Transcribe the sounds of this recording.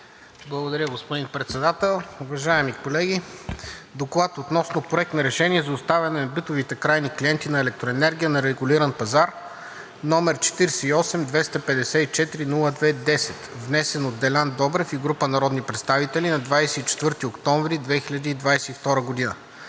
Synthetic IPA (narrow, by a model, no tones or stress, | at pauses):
blˠɐɡod̪ɐɾʲəɡospod̪inpɾɛt̪sɛd̪at̪ɛlˠʊvɐʒaɛmikolɛɡʲi | d̪oklˠat̪ot̪nɔsnopɾoɛk̚t̪nɐɾɛʃɛniɛzɐʊst̪avʲɛnɛnɐbit̪ovit̪ɛkɾajnikliɛnt̪inɐɛlɛk̚t̪ɾoɛnɛɾɡʲijənɐɾɛɡʊliɾənpɐzaɾ | nɔmɛɾt͡ʃɛ̥t̪iɾsɛiɔsɛmd̪vɛst̪ɐpɛd̪ɛsɛit͡ʃɛt̪iɾinulˠəd̪vɛd̪ɛsɛt̪vnɛsɛnot̪̚d̪ɛlʲand̪ɔbɾɛfiɡɾupənɐɾɔd̪nipɾɛt̪st̪avit̪ɛlinɐd̪vajsɛit͡ʃɛ̥t̪vɤɾt̪iokt̪ɔɱvɾid̪vɛxiʎʲɐd̪iːd̪vajsɛift̪ɔɾəɡod̪inə̰